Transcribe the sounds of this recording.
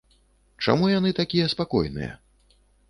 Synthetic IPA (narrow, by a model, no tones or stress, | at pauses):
t͡ʂa̰mujan̪ɨt̪akʲijɛspakɔ̰jnɨ̰jɐ̰